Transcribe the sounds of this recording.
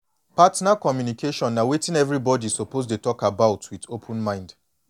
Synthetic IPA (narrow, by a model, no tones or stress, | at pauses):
patnakɔmjunikʰeʃɔ̃nːawetɪ̃nɛvɹibɔdisopozdetɔkabaʊtwitopʰʊ̃nmãɪ̃nd